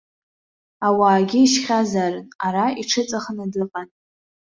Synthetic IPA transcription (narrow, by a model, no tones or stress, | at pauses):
awaːɡʲɪiʃχʲazarɨnaɾaiʈ͡ʂʰɨt͡sʼaχnadɨqʼan